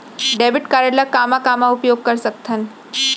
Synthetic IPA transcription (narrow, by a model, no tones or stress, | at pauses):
ɖeːbɪʈkaːɾjəɽləkaːmakamaʊpjoːɡ̚kɐɾsɐk̚t̪ʰən